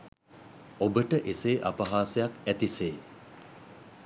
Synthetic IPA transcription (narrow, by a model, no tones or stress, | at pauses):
obəʈəʔeseːʔa̰pɐɦaːsejakæt̪iseː